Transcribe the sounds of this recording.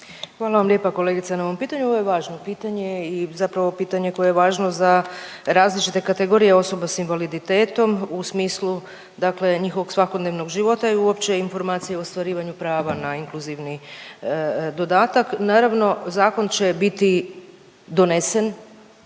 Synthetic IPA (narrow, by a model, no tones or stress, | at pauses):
xʋaːlˠaʋamljepako̞le̞ːɡit̪sanaoʋo̞mpiːt̪aɲuoʋojeʋaːʒno̞piːt̪aɲe̞izapɾaʋo̞piːt̪aɲe̞ko̞jeeʋaːʒno̞za | ɾaːzlit͡ʃit̪e̞kat̪e̞ɡoɾijeo̞so̞basinʋalid̪it̪e̞ːt̪o̞musmiːslˠu | d̪akle̞ɲixoʋo̞ɡsʋakod̪neʋno̞ɡʒiʋo̞t̪aiuopt͡ɕe̞info̞ɾmaːt̪sijeoost̪ʋaɾiːʋaɲupɾaːʋanaiŋkluziʋni | d̪o̞d̪aːt̪aknaːɾaʋno̞zaːko̞nt͡ʃe̞bit̪i | d̪o̞nese̞n